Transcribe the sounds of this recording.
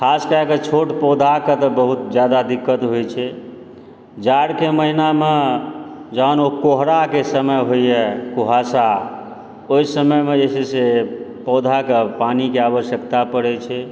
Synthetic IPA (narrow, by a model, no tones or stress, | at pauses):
kʰaskəeket͡ʃʰoʈpɔd̪ʱaket̪əbəɦut̪d͡ʒjad̪ad̪ikːət̪ɦojt͡ʃʰɛ | d͡ʒaɾkeməɦiname | d͡ʒanokoɦɾakesəməjɦojɛkuɦasa | oisəməjmed͡ʒesesepɔd̪ʱakepanikeaβəʃjəkt̪apəɽɛt͡ʃʰɛ